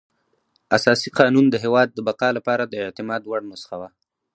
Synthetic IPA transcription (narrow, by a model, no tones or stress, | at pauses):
asɑsiqɑnund̪əɦewɑd̪ːəbaqɑlapɑɾad̪əɪʕt̪ɪmɑd̪waɽnasə̥xawa